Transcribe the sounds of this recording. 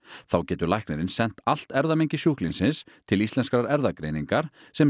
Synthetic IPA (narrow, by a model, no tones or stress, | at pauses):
θawcɛːt̪ʏɾlajhknɛɾɪnsɛn̥t̪al̥t̪ɛɾðameɲcɪsjuhklinsɪnst̪ʰɪlist̪ɛnskɾaɾɛɾðakɾejniŋkaɾ̥ | sɛm